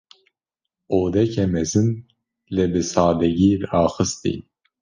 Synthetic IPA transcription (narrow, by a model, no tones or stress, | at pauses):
oːd̪ɛcʰɛmɛzɨn | lɛbɨsaːd̪ɛɡiːɾaːxɨst̪ḭ